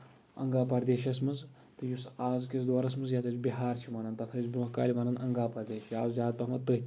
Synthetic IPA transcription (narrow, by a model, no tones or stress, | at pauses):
ɐ̰ŋɡaːpɐɾd̪eːʃɐsmɐnz | t̪ɨjusaːzkʲisd̪waːɾɐsmɐnzjat̪ɐt͡sʲbiɦaːɾt͡ʃʰimɐnɐnt̪ɐt̪ʰɐt͡sʲbuka̰ːlʲimɐnɐnɐŋɡaːpɐɾd̪eːʃaːzzʲjʲaːd̪̚pɐɦmɐt̪əɦt̪ʲ